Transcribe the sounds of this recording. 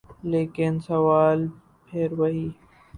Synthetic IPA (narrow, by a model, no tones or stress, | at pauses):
leːkɪnsɐʋaːl | pʰeɾwɐɦiː